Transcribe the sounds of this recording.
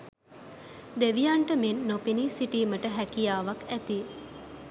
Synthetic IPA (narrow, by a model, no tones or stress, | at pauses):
d̪eʋijaɳʈəmenːopinisiʈiːməʈəɦækijaːʋakæt̪i